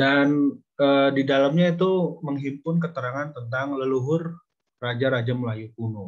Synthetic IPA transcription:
dan | əːdidalamɲait̪̬uməŋɦimpʊnkət̪əɾaŋant̪ənt̪̬aŋləluɦʊr | rad͡ʒaɾad͡ʒaməlajukunu

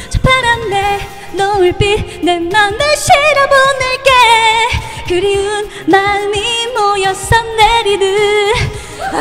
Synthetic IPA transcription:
t͡ɕʰo̥pʰaɾanːe | nʌuɭp͈inemːandeɕiɾabonɯɭk͈e | kɯɾiɯn | mamimojʌs͈ʌmneɾidɯ

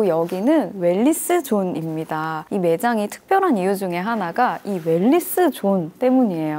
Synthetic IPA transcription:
ojʌɡinɯnwe̞ʎːis͈ɯt͡ɕonimɲidaime̞d͡ʑaŋitʰɯ̥k̚p͈ʰjʌɾɦanijud͡ʑuŋe̞ɦanaɡaiwe̞ʎːis͈ɯt͡ɕont͈e̞muɲie̞jo

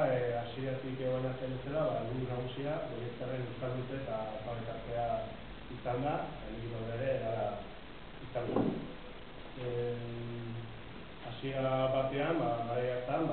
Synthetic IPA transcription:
asiɾat̪ikeɣoenat̪elet͡selaβamend̪unaɣusiapojekt̪areɡust̪ald̪ut̪e̞t̪aopalekaɾt̪e̞a | isand̪aelɡ̪iɾoɾeɾe̞ːɾaɾa | isand̪a | asiaɾaβat̪e̞ambaɣaɾajaɾt̪amb

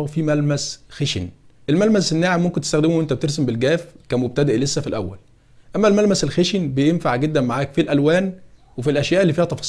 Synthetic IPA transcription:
fiːmælmæsxeʃḭnʔelmælmæsenːaːʕemːomkent̪est̪æxd̪emuwʔent̪æbet̪eɾs̬embelɡæːfkæmob̚t̪æd̪eʔlesːæfilʔæwːæl | ʔæmːælmælmæselxeʃinbejemfaʕɡed̪ːænmaʕaːkfilʔælwæːnwefilʔæʃjæːʔelːiːfiːhæt̪ɑfɑsˤ

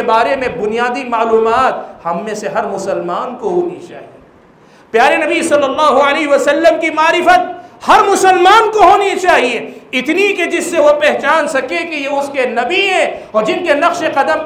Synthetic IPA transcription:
ebaːɾemẽbʊnijaːd̪imaːluːmaːt̪hɐmːẽseɦɐɾmʊsəlmaːnkoɦoːnit͡ʃa̰ːɦie | pjaːɾenɐbisɐlːɐlːaːɦuɐleːɦiʋɐsɐlːəmkimaːɾɪfət̪̚hɐɾmʊsəlmaːnkoɦoːnit͡ʃaːɦieɪt̪niked͡ʒɪsːeʋopɛɦt͡ʃaːnsɐkekejeʊskenɐbiɦɛ̃ɔːɾd͡ʒɪnkenɐqʃeqɐd̪əm

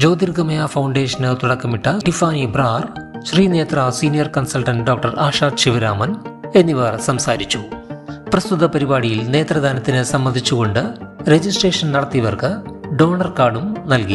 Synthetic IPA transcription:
d͡ʑo̞ːd̪irɡɐmɐjaːfɐwɳɖe̞ːʂɐnɨt̪uɽɐkːɐmiʈːɐʈifaːnibraːrɕriːne̞ːt̪rasiːnijɐrkɐnsɐlʈɐnɖo̞ːk̚ʈɐraːʂaːt̪ɕiʋiɾaːmɐne̞nːiʋeːrsɐmsaːɾit͡ɕːuprɐst̪ut̪ːɐpɐɾibaːɽijilne̞ːt̪rɐðaːnɐt̪ːinɨsɐmbɐnd̪ʱit͡ɕːuɣo̞ɳɖɨɾe̞d͡ʑisʈreːʂɐnnɐɽɐt̪ːiʋɐrkɨɖo̞ːɳɐrkaːɖumnɐlki

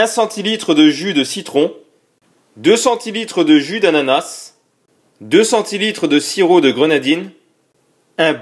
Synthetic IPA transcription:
ɛ̃sɑ̃t̪ilit̪χəd̪əʒyd̪əsit̪χɔ̃ | d̪øsɑ̃t̪ilit̪χəd̪əʒyd̪ananas | d̪øsɑ̃t̪ilit̪χəd̪əsiʁod̪əɡʁənad̪in | ɛ̃b

